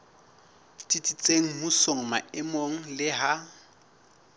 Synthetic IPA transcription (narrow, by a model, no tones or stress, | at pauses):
tʼitʼit͡sʼeŋ̩husoŋ̩maɪmoŋ̩lɪɦa